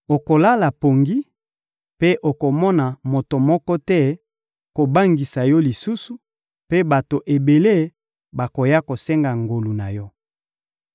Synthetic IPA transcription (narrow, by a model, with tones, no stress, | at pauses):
o˨ko˨la˦la˨po˨ŋɡi˦ | pe˦ʔo˨ko˨mɔ˦na˨mo˨to˨mɔ˦kɔ˦tɛ˦ | ko˨ba˦ŋɡi˨sa˨jɔ˦li˨su˦su˨ | pe˦ba˨to˨ʔe˨be˨le˦ | ba˨ko˨ja˦ko˨sɛ˦ŋɡa˨ŋɡo˨lu˨na˨jɔ˦